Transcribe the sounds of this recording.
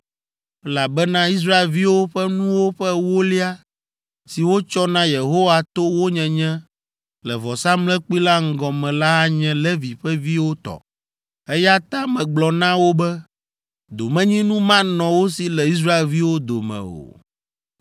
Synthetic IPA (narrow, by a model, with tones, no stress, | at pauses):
ɛ˦la˨bɛ˦nã˦i˦s̬ɾa˦e˨lvi˦wo˦ɸɛ˦nũ˦wo˦ɸɛ˦wo˦li˦a˦ | si˨wo˦t͡ʃɔ˦nã˦je˨ɦo˦wa˨t̪o˦wo˦ɲɛ̃˨ɲɛ̃˦ | lɛ˨vɔ˨sa˦mlɛ̃˦k͡pu˦i˦la˦ŋ̩˦ɡɔ̃˨mɛ̃˨la˦a˦ɲɛ̃˨lɛ˦vi˨ɸɛ˦vi˦wo˦t̪ɔ̰˨ | ɛ˦ja˦t̪ã˦mɛ̃˨ɡ͡blɔ˨nã˦wo˦bɛ˦ | d̪o˨mɛ̃˦ɲĩ˦nũ˦mã˦nɔ̃˨wo˦si˨lɛ˨i˦s̬ɾa˦e˨lvi˦wo˦d̪o̰˨mɛ̰̃˨o̰˨